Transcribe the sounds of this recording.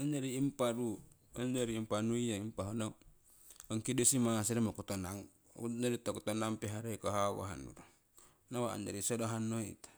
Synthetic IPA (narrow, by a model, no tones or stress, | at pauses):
and͡ʒaɾiːmpaɾu | and͡ʒaɾiːmpanuijaimpaɦonɔŋ | ŋkidosimaŋasiɾimokut̪ɔnaŋ | ud͡ʒaɾit̪okut̪ɔnaŋpiɦaɾaikaɦawa̰ɦa̰nṵɾu | nawaa̰nd͡ʒaɾisɔdoɦanːoḭt̪ḁ